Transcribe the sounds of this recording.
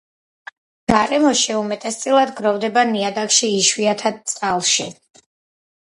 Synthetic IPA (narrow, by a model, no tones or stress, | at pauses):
ɡ̥aɾɛmɔʃiumɛt̪ʼɛst̪sʼilˠad̪ɡɾɔvd̪ɛbaniad̪akʃiːʃwiat̪ʰad̪̚t̪sʼalˠʃi